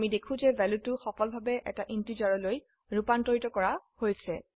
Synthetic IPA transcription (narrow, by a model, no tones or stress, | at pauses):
midekʰũzɛvʱɛlutʊxɔkɔlbʱabɛʔɛ̰taʔintizaɹɔloj | ɹupantɔɹitɔkɔɹahojsɛ